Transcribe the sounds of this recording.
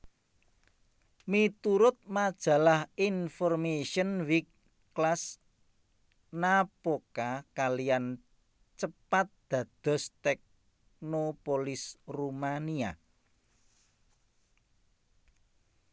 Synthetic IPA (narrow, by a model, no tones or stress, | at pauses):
mit̪uɾʊt̪̚mad̥ʒ̥a̤lahinfɔrmeʃənwikː | las | napokakalijan | t͡ʃəpat̪̚d̪̥ä̤d̪̥ɔ̤st̪ɛk̚ | nopolɪsrumania̰